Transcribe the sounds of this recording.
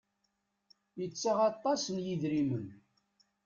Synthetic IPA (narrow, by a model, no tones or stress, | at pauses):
jət͡sːaʁɑt̪ˤːɑsənjiðɾimən